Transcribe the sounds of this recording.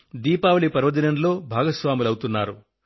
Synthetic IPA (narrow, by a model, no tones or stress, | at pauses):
d̪iːpaːʋɐɭipɐɾʋɐd̪inɐnlo̞ːbʱaːɡɐsʋaːmulɐwut̪unːaːɾu